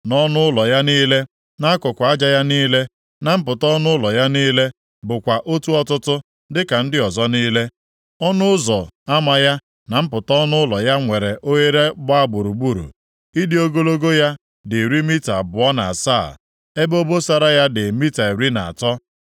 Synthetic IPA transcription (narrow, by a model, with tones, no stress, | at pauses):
nɔ˦nʊ˦ʊ˦lɔ˨ja˦niː˦le˦ | na˦a˦kʊ˨kʷa˨a˦d͡ʒa˨ja˦niː˦le˦ | na˨m̩˦pʊ˨tɔ˦nʊ˦lɔ˨ja˦niː˦le˦ | bʊ˨kʷa˨ʔo˦tu˦ɔ˦tʊ˦tʊ˦ | dɪ˦ka˨n̩˦dɪ˦ɔ˨zɔ˦niː˦le˦ | ɔ˦nʊ˦zɔ˨a˦ma˨ja˦ | na˨m̩˦pʊ˨tɔ˦nʊ˦lɔ˨ja˦ŋʷe˨ɾe˨ʔo˦je˦ɾe˦ɡ͡ba˦ɡ͡bʊ˨ɾu˨ɡ͡bu˦˨ɾṵ˨ | i˦di˦o˦ɡo˦lo˦ɡo˦ja˦ | dɪ˨ɾi˦mi˦ta̰˨bʊ˨ɔ˦na̰˨sa̰˦˨ | e˦bo˦bo˦sa˨ɾa˦ja˦dɪ˨mi˦ta˨e˨ɾi˦na˨a̰˨tɔ˦